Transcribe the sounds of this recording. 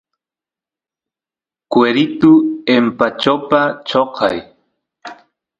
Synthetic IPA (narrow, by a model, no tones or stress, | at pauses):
kweɾɪt̪ʊempat͡ʃopat͡ʃoqʰɑ̰j